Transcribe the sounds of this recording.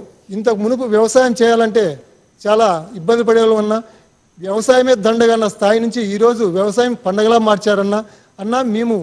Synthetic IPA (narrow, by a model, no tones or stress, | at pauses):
int̪̬ɐmunup̬uʋjɐʋɐsaːjɐmt͡ʃɛːjaːlɐɳʈe̞ː | t͡ʃaːlaːibːɐnd̪ip̬ɐɽɛloɐnːaː | ʋjɐʋɐsaːjɐmeːd̪ɐɳɖɐɡɐːnːɐst̪ʰaːjinuɲt͡ʃiiːɾo̞ːd͡ʒuʋjɐʋɐsaːjɐmpɐɳɖɐɡɐlaːmaːɾt͡ʃaːɾɐnːaː | ɐnːaːmeːmu